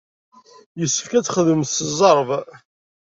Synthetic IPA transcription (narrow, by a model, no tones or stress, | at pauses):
jəsːə̥fkæt͡sːχəðəmθszˤɑɾˤv